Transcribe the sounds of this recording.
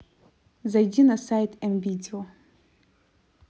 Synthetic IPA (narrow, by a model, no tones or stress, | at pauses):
zajdʲinasajtʰɛmbitʰʲil